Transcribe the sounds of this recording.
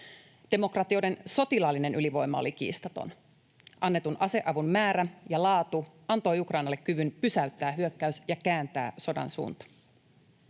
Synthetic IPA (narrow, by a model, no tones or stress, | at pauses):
d̥e̞mo̞krɑt̪io̞de̞nso̞t̪ilɑlːine̞nʔyliʋo̞jmɑo̰lik̟ḭːst̪ɑt̪o̞̰n | ʔɑnːe̞t̪unʔɑse̞ʔɑʋummæːɾæjɑlɑːt̪u | ɑnt̪o̞jukrɑjnɑlːekkyʋynpysæyt̪ːæːɦyø̞kːæysjɑkæːnt̪æ̰ːso̞dɑ̰nsṵːnt̪ɑ̥